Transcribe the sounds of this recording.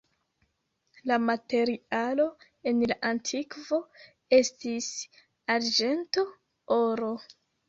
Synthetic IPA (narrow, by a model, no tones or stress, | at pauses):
lamate̞ɾialo̞ | e̞nlaʔantʰikvo̞ | e̞stis | aɾd͡ʒe̞nto̞ | oɾo̞